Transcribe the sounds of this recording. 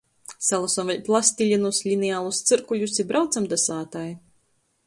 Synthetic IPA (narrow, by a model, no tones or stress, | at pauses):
sɛlˠasɔnvɛlʲplˠasʲt̪ʲilʲinuslʲinɛjaːlˠust̪sɨɾkuʎʲusibɾawt̪samd̪asaːt̪aj